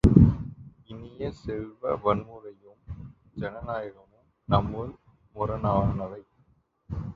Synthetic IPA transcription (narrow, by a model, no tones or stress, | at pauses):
ɪnɪjɐsɛɻʋɐʋɐnmɯɾɐjɯm | d͡ʒɛnɐnaːjɪɣɐmɯm | nɐmːɯl | mʊɾɐnaːnɐʋɐɪ